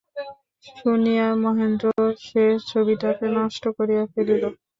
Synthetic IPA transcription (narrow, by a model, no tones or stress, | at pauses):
ʃunijamɔɦend̪ɾoʃeʃt͡ɕʰobiʈakenɔʃʈokoɾijafelilo